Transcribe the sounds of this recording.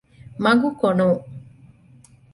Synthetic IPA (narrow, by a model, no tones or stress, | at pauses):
maŋɡukɔno